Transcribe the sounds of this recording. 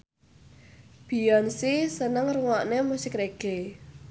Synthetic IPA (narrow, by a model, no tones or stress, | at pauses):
b̥i̤jɔnsisənəŋruŋɔʔnemusikɾeɡ̥e